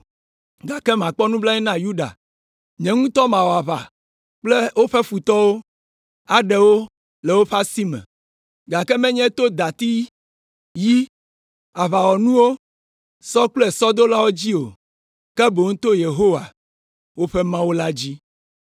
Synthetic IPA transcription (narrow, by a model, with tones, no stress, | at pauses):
ɡa˨kɛ˦mã˨k͡pɔ˦nũ˦bla˦ɲɛ˦nã˦ju˦ɖa̰˨ | ɲɛ̃˨ŋũ˦t̪ɔ˦mã˨wo˨a˨βa̰˨ | k͡ple˦wo˦ɸɛ˦fu˨t̪ɔ˦wo˦ | a˨ɖɛ˦wo˦ | lɛ˨wo˦ɸa˦si˦mɛ̰̃˨ | ɡa˨kɛ˦mɛ̃˦ɲɛ̃˦t̪o˦d̪a˨t̪i˦ | ji˦ | a˨βa˨wɔ˨nũ˦wo˦ | sɔ˦k͡plɛ˨sɔ˦d̪o˦la˦wo˦d͡ʑi˦o˨ | kɛ˦bo˨ŋ̩˦t̪o˦je˨ɦo˦wa˨ | wo˦ɸɛ˦mã˦wo˦la˦d͡ʑi˦